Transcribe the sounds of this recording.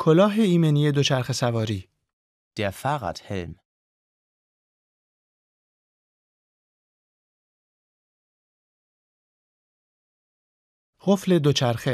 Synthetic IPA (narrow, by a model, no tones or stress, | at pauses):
kʰolɒːɦe̞iːmenije̞d̪ot͡ʃʰæɾxe̞sævɒːɾiː | d̪̥efaɣa̰t̪helm | ʁofle̞d̪ot͡ʃʰæɾxe